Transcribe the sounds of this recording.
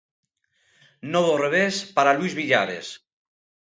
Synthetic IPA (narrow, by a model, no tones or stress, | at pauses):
nɔβoreβ̞espaɾaluizβiʎa̰βḛs